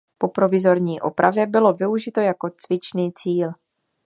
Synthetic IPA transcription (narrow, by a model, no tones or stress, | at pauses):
po̞pɾo̞vɪzo̞ɾɲiːʔo̰pɾʔavjɛbɪlo̞vɪuʒɪt̪o̞jako̞t͡svɪt͡ʃniːt͡siːl